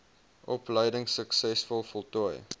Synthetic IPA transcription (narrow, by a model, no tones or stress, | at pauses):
ʔɔpləjdəŋsəksɛsfɔlˠfɔlˠtɔəj